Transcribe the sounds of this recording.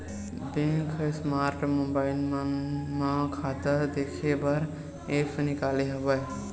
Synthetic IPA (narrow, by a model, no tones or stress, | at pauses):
bẽkʰəsmaɾʈmũmbailmənmakʰat̪əɾd̪ekʰebəɾ | epʰnikaleɦəbəj